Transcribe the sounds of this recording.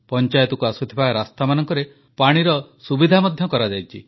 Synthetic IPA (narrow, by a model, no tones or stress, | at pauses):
pɔnt͡ʃajɔt̪ɔkuasut̪ʰibaɾast̪amanɔŋkɔɾe | paɽ̃iɾɔsubid̪ʱamɔd̪ʱjɔkɔɾad͡ʒajt͡ʃʰḭ